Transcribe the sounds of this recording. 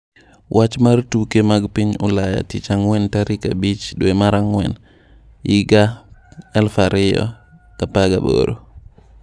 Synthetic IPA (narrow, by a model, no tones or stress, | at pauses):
wʔat͡ʃmaɾtukɛmaɡpiɲulaja̰tit͡ʃaŋwɛntaɾika̰bit͡ʃɗuɛmaɾaŋwɛ̰n | jiɡa | ɛlfaɾijɔ̰ | kapaɡa̰bɔ̰ɾɔ